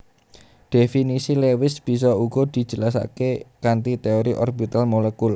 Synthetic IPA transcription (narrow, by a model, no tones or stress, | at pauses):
d̪̥e̤finisilewɪsb̥i̤s̬ɔuɡ̥ɔ̤d̪̥i̤̥d͡ʒ̥ə̤lasa̰kekant̪it̪eɔɾiʔɔrbit̪almolekulɔ